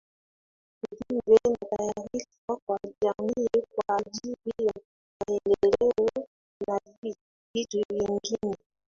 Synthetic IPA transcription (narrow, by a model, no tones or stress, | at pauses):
kudiɡwɛnatajaɾis | akwad͡ʒamikwad͡ʒiβija | waɛndɛlɛɔ | navi | vitiβiŋɡinɛ